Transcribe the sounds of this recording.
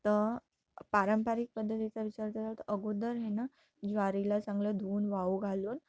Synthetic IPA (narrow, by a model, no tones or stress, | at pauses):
t̪ə | paɾəmpaɾik̚pəd̪ʱːət̪it͡saʋit͡ɕaɾt̪ətat̪əʔəɡod̪əɾɦena | d͡zʋaɾilasãŋɡləd̪ʱuːnʋauɡʱaluːn